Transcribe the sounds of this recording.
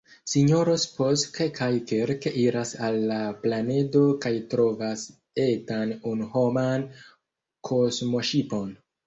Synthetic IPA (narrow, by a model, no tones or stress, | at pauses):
siɲo̞ɾospostkekajke̞ɾkeʔiɾasalːaplane̞do̞kajtɾo̞vas | e̞tanunuho̞man | kʰo̞zmo̞ʃipo̞n